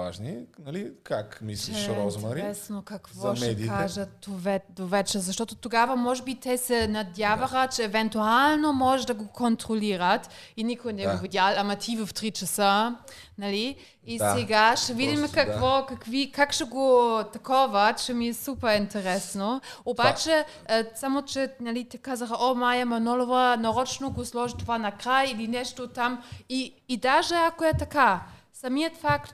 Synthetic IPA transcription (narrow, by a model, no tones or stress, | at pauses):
va̰ʒninɐlikakmisliɛʃɾɔzomaɾiɛsnokɐkvɔʃɛd̪iaʒət̪̚d̪ovɛd̪ovɛt͡ʃɛzɐʃt̪ɔt̪ot̪oɡavɐmɔʒɛbit̪ɛsɛnɐd̪ʲjavɐxət̪t͡ʃɛːvɛnt̪ualˠnomɔʒəʒd̪ɐɡokont̪ɾoliɾət̪inikojnɛɡovid̪ʲjalˠamɐt̪ʰivəft̪ɾit͡ʃɐsə | nɐliː | sɛɡaʃɛvid̪iməkakvɔkakvikʰakʃɛɡot̪akɔvat̪t͡ʃɛmiɛsupəint̪ʰəɾɛsnoobat͡ʃɛ | samot͡ʃɛnalit̪ɛkazaxaʔɔmajamanɔlovanaɾɔt͡ʃnoɡoslɔʒit̪ovanakɾajilinɛʃtot̪amiːd̪aʒɛakoɛt̪aka | samiət̪fakt̪